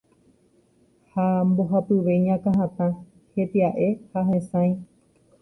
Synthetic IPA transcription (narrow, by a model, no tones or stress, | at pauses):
hamboɦapɨʋe̞jɲãkãɦãt̪ã | het̪eaʔe̞haɦẽsãj̃